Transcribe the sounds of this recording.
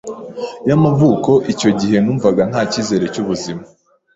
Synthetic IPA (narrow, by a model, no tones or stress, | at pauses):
jamavuːko̞ʔico̞ɟiɦe̞nuːɱvaɡan̥haːciːze̞ɾe̞cuβuzima